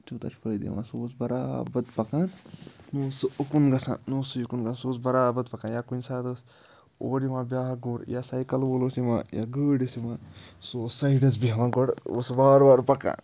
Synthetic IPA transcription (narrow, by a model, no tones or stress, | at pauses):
t͡ʃut̪ɐ̰t͡ʃʰpʰəjd̪ḛmã̰ːsoːsbɐɾaːbɐd̪pɐkaːnnuːsɨukunɡɐsã̰nuːsɨjukunɡɐasuːsbɐɾaːbɐd̪pɐkãːnjaːkunsaːd̪əs | oːɾimãːbʲjaːɦɐɡuːɾjaːsɐjkɐlʋolosimã̰ːja̰ɡəːɽəsimãːsosɐiɖɐs̬biɦɐʋãːɡoɽo̰sbaːɾbaːɾpɐkã̰ː